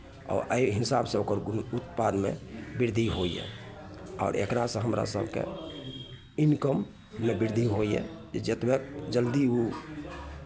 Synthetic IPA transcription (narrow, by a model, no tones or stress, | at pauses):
ɔ̰ɾəiɦisabsẽokəɾut̪pad̪mḛbiɾd̪ʱiɦoijɛ̰ | ɔ̰ːɾḛkɾasə̃ɦəmɾa̰sə̰bʱkḛ | inkəmː | ebiɾd̪ʱiɦojjɛ̰d͡ʒed͡ʒet̪bek̚d͡ʒəld̪iu